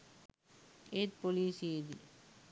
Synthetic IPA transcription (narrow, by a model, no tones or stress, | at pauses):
et̪̚poliːseːd̪i